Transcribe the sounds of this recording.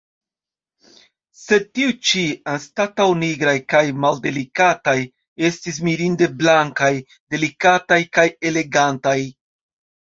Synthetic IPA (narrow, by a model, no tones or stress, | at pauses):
se̞tiut͡ʃianstatawniɡɾajkajmalde̞likataj | e̞stis̬miɾinde̞blaŋkaj | de̞likatajkaje̞le̞ɡantaj